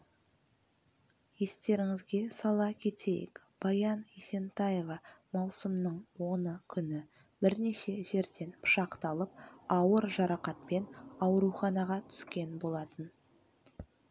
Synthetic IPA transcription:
je̞st̪e̞ɾɪŋɪzɡʲe̞sɑlˠɑkʲʰe̞t̪ʰe̞jɪ̰k | b̥ɑjɑnese̞nt̪ɑjevɑmɑwsəmnəɴwo̞nəkʲʰʏnɪ | bɪɾne̞ʃe̞ʒe̞ɾd̪e̞npʰʊ̥ʃɑqt̪ɑlˠəp̚ɑwəɾʒɑɾɑqɑt̪̚pe̞nɑwɾuχɑnɑʁɑt̪ʰʏ̥skʲe̞nbo̞lˠɑt̪ən

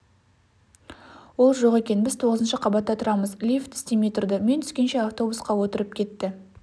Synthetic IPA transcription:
wo̞lˠʒo̞ʁe̞kʲe̞nbɪzt̪ʰo̞ʁəzənʃəqʰɑbɑt̪ːɑt̪ʰʊɾɑməzlʲift̪ʰʏ̥st̪eme̞jt̪ʊrd̪əme̞nt̪ʰʏ̥skʲe̞nʃe̞aft̪o̞busqɑwot̪əɾəp̚kʲʰe̞t̪ːɪ

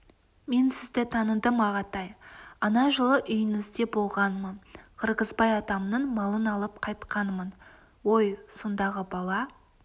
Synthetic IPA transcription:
me̞nsɪzd̪ɪt̪ʰɑnəd̪əmɑʁɑt̪ɑjɑnɑʒəlˠəʔʏjɪnɪzd̪e̞bo̞lˠʁɑnmənqʰəɾqəzbɑjɑt̪ɑmnəɴmɑlˠənɑlˠəp̚qʰɑjt̪qɑnmən | wo̞jsond̪ɑʁəbɑlˠɑ

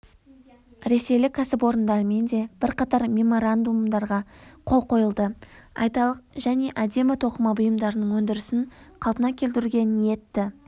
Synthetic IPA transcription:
ɾe̞se̞jlɪkʲʰːæsɪpwo̞ɾənd̪ɑɾəme̞nd̪e̞b̥ɪɾqɑt̪ɑɾmʲe̞mo̞ɾand̪umd̪ɑɾʁɑqʰo̞lˠqo̞jəlˠd̪əɑ̰jt̪ɑlˠəqʒæne̞ʔæd̪e̞mɪt̪ʰo̞qəmɑbʊjəmd̪ɑɾənəɴwɵnd̪ɪɾɪsɪɴqʰɑlˠpənɑkʲʰe̞lt̪ɪɾuɡʲe̞nije̞t̪ːɪ

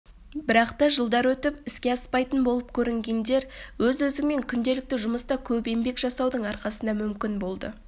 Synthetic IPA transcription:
bɪɾɑqt̪ɑʒəlˠd̪ɑɾwɵt̪ɪpɪskʲe̞ɑspɑjt̪ənbo̞lˠəp̚kʲʰɵɾɪŋɡʲe̞nd̪e̞ɾwɵzɵzɪŋme̞ŋkʲʰʏnd̪e̞lɪk̚t̪ɪʒʊməst̪ɑkʲʰɵpe̞mbe̞kʒ̥ɑsɑwd̪əɴɑɾqɑsənd̪ɑmʏmkʲɪnbo̞lˠd̪ə̰

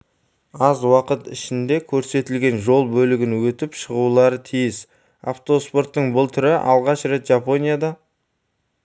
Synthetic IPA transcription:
ɑzwɑqət̪ɪʃɪnd̪e̞kʲʰɵɾse̞t̪ɪlɡʲe̞nʒo̞lˠbɵlɪɡʲɪnwɵt̪ɪpʃəʁulˠɑɾət̪ʰijɪs | a̰ft̪o̞spo̞rt̪ːəɴbʊlˠt̪ʰʏɾɪʔɑ̰lˠʁɑʃre̞t̪ʒapo̞nʲijad̪ɑ

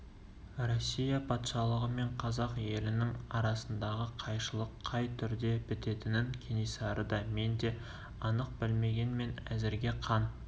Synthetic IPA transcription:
ɾo̞sʲːijɑpʰɑt̪ʃɑlˠəʁəme̞ɴqʰɑzɑqje̞lɪnɪŋɑɾɑsənd̪ɑʁəqʰɑjʃəlˠəqʰːɑjt̪ʰʏɾd̪e̞pɪt̪e̞t̪ɪnɪŋkʲʰenijsɑɾəd̪ɑme̞nd̪e̞ | ɑnəq̚bɪlme̞ɡʲe̞nme̞næ̰zɪɾɡʲe̞qʰɑn

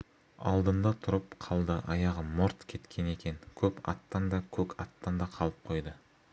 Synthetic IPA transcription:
ɑ̰lˠd̪ənd̪ɑt̪ʰʊɾəpqʰɑlˠd̪əʔɑjɑʁəmoɾt̪kʲʰe̞t̪kʲʰe̞ne̞kʲʰe̞ŋkʲʰɵpɑ̰t̪ːɑnd̪ɑkʲʰɵkɑt̪ːɑnd̪ɑqʰɑlˠəp̚qʰo̞jd̪ə

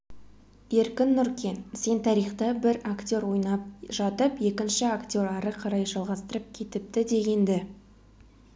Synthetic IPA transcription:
e̞ɾkʲɪnːʊɾkʲe̞nse̞nt̪ʰɑɾijχt̪əbɪɾakt̪ʲo̞ɾwo̞jnɑp̚ʒɑt̪əpje̞kʲɪnʃɪakt̪ʲo̞ɾɑɾəqʰɑɾɑjʒɑlˠʁɑst̪əɾəp̚kʲʰe̞t̪ɪp̚t̪ɪd̪e̞ɡʲe̞nd̪ɪ

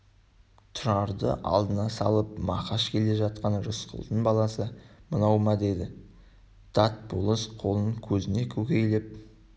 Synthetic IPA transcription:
t̪ʰʊɾɑɾd̪ə̰ʔɑ̰lˠd̪ənɑsɑ̰lˠəpmɑqɑʃkʲʰe̞le̞ʒɑt̪̚qɑnʒʊsqə̰lˠd̪ənbɑlˠɑsəmənɑwmɑd̪e̞d̪ɪ | d̪̥ɑt̪̚bulˠəsqʰo̞lˠənəŋkʲʰɵzɪne̞kʲʰɵkʲe̞jlep̚

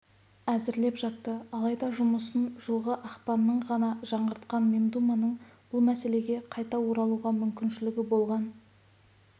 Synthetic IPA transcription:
æzɪɾle̞pʒɑt̪ːəɑlˠɑjd̪ɑʒʊməsənʒəlˠʁəʔɑqpɑnːəɴʁɑnɑʒɑɴʁəɾt̪qɑnme̞md̪umɑnəɴb̥ʊlˠmæse̞le̞ɡʲe̞qʰɑjt̪ɑwo̞ɾɑlˠuʁɑmʏmkʲɪnʃɪlɪɡʲɪbo̞lˠʁɑn

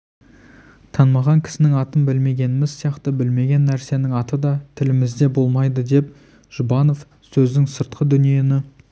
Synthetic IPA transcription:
t̪ʰɑnmɑʁɑŋkʲʰɪ̥sɪnɪŋɑt̪ənbɪlme̞ɡʲe̞nɪmɪzsijɑqt̪əbɪlme̞ɡʲe̞nːæɾse̞nɪŋɑt̪əd̪ɑt̪ʰɪlɪmɪzd̪e̞bo̞lˠmɑjd̪əd̪e̞p̚ | ʒ̥ʊbɑno̞f | sɵzd̪ɪŋsəɾt̪̚qʰəd̪ʏnije̞nɪ

